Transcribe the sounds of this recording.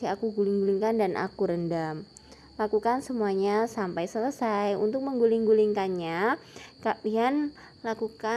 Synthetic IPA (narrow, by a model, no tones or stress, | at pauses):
iakuɡulɪŋɡuliŋkandanʔa̰kuɾəndam | lakukansəmuaɲasampajsələsajṵnt̪ʊk̚məŋɡuliŋɡuliŋkanɲakaʔian | lakuka